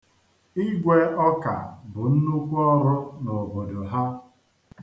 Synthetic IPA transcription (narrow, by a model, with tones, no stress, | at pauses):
i˦ɡʷe˦ɔ˦ka̰˨bʊ˨n̩˦nu˦kʷu˦ɔ˦ɾʊ˦no˨bo˨do˨ɦa˦